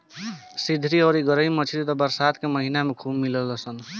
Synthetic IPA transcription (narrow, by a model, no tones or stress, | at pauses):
sid̪ʱɾiɔɾiɡəɾəimət͡ʃʰiɾit̪ɔbəɾsad̪keməɦinamekʰubmilələsən